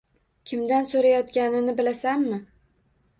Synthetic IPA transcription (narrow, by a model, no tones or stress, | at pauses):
kʲʰɪmd̪ansoɾajɒt̪kʲanɪnɪbɪlasanːɪ